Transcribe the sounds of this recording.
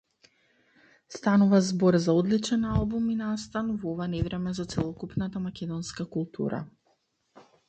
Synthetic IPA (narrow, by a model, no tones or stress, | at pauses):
st̪anuvazbɔɾzaɔd̪lit͡ʃɛnalˠbuminast̪anvɔvanɛvɾɛmɛzat̪sɛlˠɔkupnat̪amakʲɛd̪ɔnskakulˠt̪ʰṵɾa̰